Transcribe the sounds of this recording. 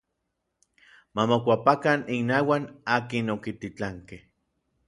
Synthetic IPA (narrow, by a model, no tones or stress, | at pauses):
mamokʷapakaninawanaːkinokit̪it͡ɬaŋkeh